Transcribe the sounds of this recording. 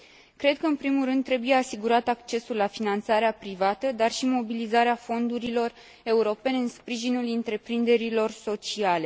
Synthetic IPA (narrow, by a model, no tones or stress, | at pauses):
kɾe̞d̪̚kəɨnpɾimulrɨnd̪ːɾe̞buje̞asiɡuɾat̪ak̚t͡ʃe̞sulːafinant̪saɾeapɾivat̪əd̪arʃimo̞bilizaɾeafo̞nd̪uɾilo̞r | e̞uɾo̞pe̞ne̞ɨnspɾiʒinulint̪ɾe̞pɾind̪e̞ɾilo̞rso̞t͡ʃiale̞